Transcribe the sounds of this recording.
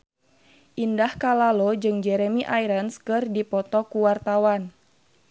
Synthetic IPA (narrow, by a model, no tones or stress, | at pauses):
ʔindahkalalod͡ʒɨŋd͡ʒɛɾɛmiʔaiɾənskɨrdipɔt̪ɔkuwart̪awan